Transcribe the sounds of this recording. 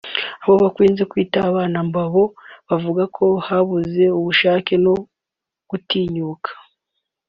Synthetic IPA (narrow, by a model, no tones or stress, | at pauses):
aβo̞βakwiːnzekwiːtaβaːnambaβo̞βavuɡakʰo̞haβuze̞uβuʃaːke̞no̞ | ɡ̥utiːɲuːkʰḁ